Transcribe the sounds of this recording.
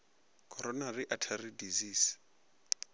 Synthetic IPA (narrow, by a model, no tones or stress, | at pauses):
kʰʼɔɾɔnariʔatʰaridiziːs